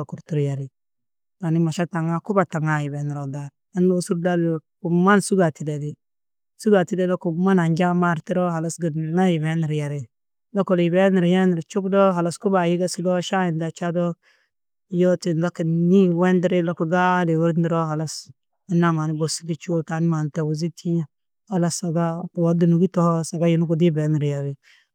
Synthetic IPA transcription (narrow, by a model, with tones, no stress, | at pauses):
o˨ku˨ɾtu˨ɾja˨ɾi˨ | ɡa˨ni˦ma˨ʃa˦ta˨ŋa˦ku˦ba˨ta˨ŋa˨ji˨be˨˦ni˨ɾo˨da˨ | a˦no˦su˦ɾda˦lku˨ma˦nsu˦ɡa˨ti˨le˨di˨ | su˦ɡa˨ti˦le˦do˦ku˨ma˦na˨ɲd͡ʒa˦ma˦˨ɾti˦ɾo˦ha˨la˦sɡə˨na˦ji˨be˦ni˨ɾja˨ɾi˨ | lo˦ko˨lbe˦ni˨ɾja˦ni˨ɾt͡ʃu˦kdo˦ɦa˨la˨sku˦ba˨ji˦ɡa˦si˦do˦ʃa˦ji˨nda˨t͡ʃa˦do˦˨ | jo˦ti˨nla˦ki˨ni˦we˦ndi˦ɾe˦lo˦ku˨ɡa˦de˨wu˦ɾni˦ɾo˦ɦa˨la˦s | i˨˦nːa˨ma˨ni˦bo˨si˦di˦t͡ʃu˦ta˨ni˦ma˨n˨ta˨wu˨zi˦tʰi˦ | ha˨la˦sa˨ɡa˦˨wa˨ɾdi˨nu˨ɡi˦tɔ˦hsa˨ɡa˦ji˨nu˦ku˨di˦bɛ˨˦ni˨ɾja˨ɾi˨